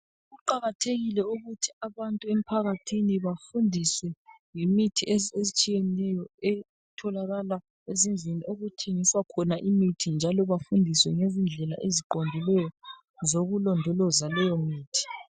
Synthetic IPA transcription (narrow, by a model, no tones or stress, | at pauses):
ɣuǃaɣatʰeɣilɛuɣutʰi̥aβantʼuem̩pʰaɣatʰiniβafundʱiswɛ | jimitʰieezit͡ʃʼijɛnɛjɔɛ | tʰɔlaɣala | ezind͡ɮʱiniʔoɣutʰeŋiswakʰɔnaʔimitʰind͡ʒʱalɔβafundʱiswɛŋezind͡ɮʱɛla̰ʔeziǃondʱilɛjɔ | zoɣulɔndʱɔlɔzalɛjɔmiːtʰi̥